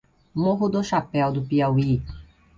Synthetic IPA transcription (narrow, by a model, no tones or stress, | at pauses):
moɦud̪ɔʃapɛawd̪upiawi